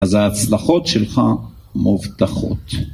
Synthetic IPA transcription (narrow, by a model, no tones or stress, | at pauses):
azaːt͡slaχo̞t̪ʃelχa | mʔuvt̪aχo̞̰t̪